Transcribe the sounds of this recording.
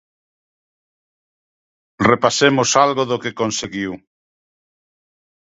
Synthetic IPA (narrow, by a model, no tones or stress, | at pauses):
repasemʊsalɣoðʊkekonseɣiw